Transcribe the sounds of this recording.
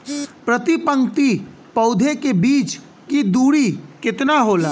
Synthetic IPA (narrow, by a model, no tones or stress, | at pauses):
pɾət̪ipə̃ŋkt̪i | pɐʊd̪ʱekebiːt͡ʃ | kid̪uːɽikɪt̪naɦoːlaː